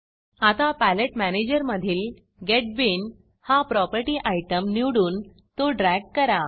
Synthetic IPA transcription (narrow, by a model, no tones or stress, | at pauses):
at̪apæleʈmæned͡ʑəɾməd̪ʱiːl | ɡeʈ̚bin | hapɾɔpəɾʈiːʔajʈəmniwɽuːn | t̪oɖɾæɡ̚kəɾa